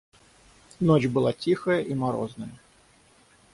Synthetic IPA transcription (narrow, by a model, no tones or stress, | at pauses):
not͡ɕʲbɨlˠatʲixəjəʔimɐɾo̰znəjə